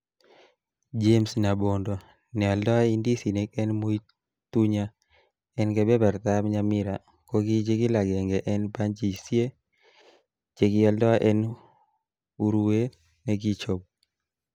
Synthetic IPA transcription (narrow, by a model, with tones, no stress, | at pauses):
d͡ʒe˦msna˨bo˨ndo˨ | nɛ˨ɔ˨ldɔ˦a˦i˦ndi˦si˨ne˨˦kɛ˦nmo˦i˦ | t̪u˦ɲa˦ | ɛ˦nkɛ˨bɛ˦bɛ˨ɾt̪a˦mɲa˦mɪ˦ɾa˨ | ko˦ɡi˦d͡ʒe˦ɡi˦la˨ɡɛ˨ŋɡɛ˨ʔɛ˦nba˦nd͡ʒi˨sje˦ | d͡ʒe˨ɡɪ˦ɔ˨ldɔ˦a˦ʔɛ˦n | u˦ɾu˦we˦ | nɛ˦ɡi˦t͡ʃo˨b̚